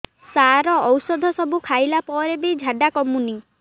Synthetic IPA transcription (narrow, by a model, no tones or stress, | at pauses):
saɾɔːwsɔd̪ʱɔsɔbukʰajlapɔɾebid͡ʒʱaɖakɔmuni